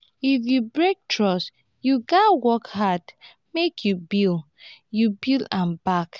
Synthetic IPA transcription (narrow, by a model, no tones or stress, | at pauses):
ifjubɹek̚tʰɹɔs | juɡawɔkhad | mekʰjubil | jubilˠãnbak